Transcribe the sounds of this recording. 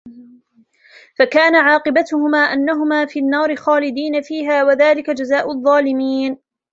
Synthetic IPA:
fakaːnaʕɑːqɨbat̪ʊhʊmaːʔanːaɦʊmaːfiːnːɑːɾɪxaːlɪd̪iːnafiːɦaːwaðaːlɪkad͡ʒazaːʔʊɑðˤːɑːlɪmiːn

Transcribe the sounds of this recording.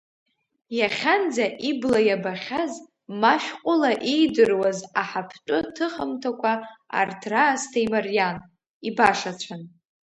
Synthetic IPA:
jaχʲand͡zaʔiblajabaχʲaz | maʃʲᶣqʷʼʊlaʔejdɨrwazaħapʰt͡ʃʷʼʊtʰɨχəmtʰakʷʰaa̰rtʰraːstʰaimarjan | ibaʂat͡ʃʷʰan

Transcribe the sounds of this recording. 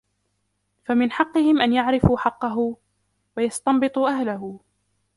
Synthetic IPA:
famɪnħɑqːɨhɪmʔanjaʕɾɪfuːħɑqːɑɦʊ | wajɑst̪ɑmbɨt̪ˤuːʔahlaɦʊ

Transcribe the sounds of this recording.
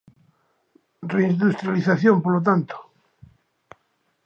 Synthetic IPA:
reind̪ust̪ɾjaliθaθjompolot̪̬ant̪o̥

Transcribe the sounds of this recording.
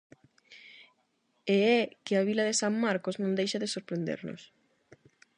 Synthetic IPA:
eɛkɪaβ̞ilɐðɪsaŋmaɾkoznõnd̪ejʃɐðɪsoɾpɾend̪ḛɾno̰s

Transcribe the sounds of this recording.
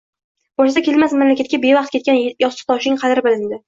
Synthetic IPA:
b̥oʃasakʲʰe̞lmasmamlakʲʰat̪kʲabe̞vɑq̚t̪̚kʲe̞t̪̚kʲanjɒst̪ɪ̥t̪ʰɒʃɪŋqʰɑd̪ɪɾɪbɪlɪnd̪ɪ

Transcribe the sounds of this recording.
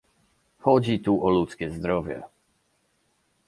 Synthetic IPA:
xɔd͡ʑit̪uʔɔlut̪skʲɛzd̪ɾɔvʲjɛ̰

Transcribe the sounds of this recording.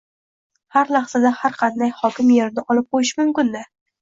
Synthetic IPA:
haɾlɑχsad̪ahaɾqʰɑnd̪ajhɒkʲɪmjeɾnɪʔɒlˠɪp̚qojɪʃmʊmkʲɪnd̪ɪ

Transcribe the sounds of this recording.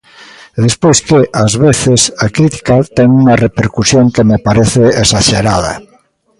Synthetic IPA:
ðespojskeʔazβeθesakɾit̪i̥kat̪ɛŋuŋarepeɾkusjoŋkemepaɾeθeesaʃeɾað̞ɐ̰

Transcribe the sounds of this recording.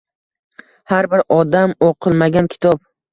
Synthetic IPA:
haɾbɪɾɒd̪amoqʰɨlˠmaɡʲankʲʰɪ̥t̪ʰɒp̚

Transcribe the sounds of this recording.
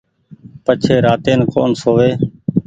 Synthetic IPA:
pət͡ʃʰeːɾaːt̪eːnko̰ːnsoːʋeː

